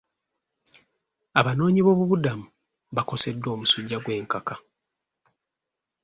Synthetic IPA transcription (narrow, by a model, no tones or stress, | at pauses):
aβano̞ːɲiβo̞ːβuβudamu | βako̞se̞dːwo̞ːmusuɟːaɡwe̞ːŋkaka